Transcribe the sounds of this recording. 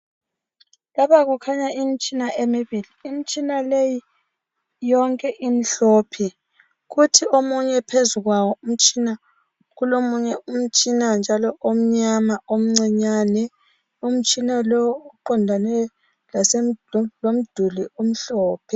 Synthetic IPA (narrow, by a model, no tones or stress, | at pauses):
laβaɣukʰaɲaʔim̩t͡ʃʼinaʔemiβiliːmit͡ʃʼinaleji | jɔŋkʼɛʔim̩ɬɔːpʰi | ɣutʰiomuɲɛpʰezuɣwawɔum̩t͡ʃʼina | ɣulomuɲɛum̩t͡ʃʼinand͡ʒʱalɔʔom̩ɲamaom̩ŋ͡ǀɛɲanɛ | um̩t͡ʃʼinalɔuǃɔndʱanɛ | lasellom̩d̥ʱulium̩ɬɔːpʰɛ